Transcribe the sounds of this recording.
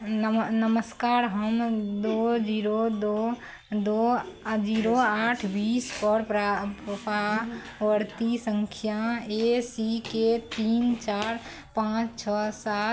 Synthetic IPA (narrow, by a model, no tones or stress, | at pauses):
nəməskaɾɦəmd̪od͡ʒiɾod̪o | d̪od͡ʒiɾoaʈʰbispəɾpɾapa | wəɾt̪isəŋkʰjaesiket̪int͡ʃaɾ | pãt͡ʃt͡ʃʰɔsat̪